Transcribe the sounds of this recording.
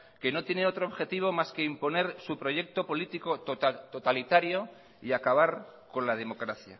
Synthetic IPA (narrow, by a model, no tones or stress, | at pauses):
ke̞no̞t̪je̞neo̞t̪ɾoːβxe̞t̪iβ̞o̞maskeimpo̞ne̞ɾsupɾo̞ʝe̞k̚t̪o̞po̞lit̪iko̞t̪ot̪ot̪alit̪aɾjo̞ | iakaβ̞aɾko̞nlaðe̞mo̞kɾaθja̰